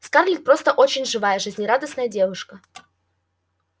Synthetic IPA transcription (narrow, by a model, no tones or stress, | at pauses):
skarlʲik̪̚pɾo̞st̪əʔot͡ɕɪnʲʐɨvajəʐɨzʲnʲɪɾad̪əsnəjədʲe̞vʊʂkə